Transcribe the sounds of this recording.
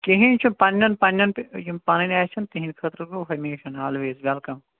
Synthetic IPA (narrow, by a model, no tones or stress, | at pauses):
keɦinʲt͡ʃʰupɐnʲːɐnpɐnʲjɐnpjumpɐnɐnʲɛːt͡ʃʰɐnt̪iɦĩnʲkʰɐt̪ɾɨɡuːɦɐmeːʃɐnaːlʋeːzʋɐlkɐm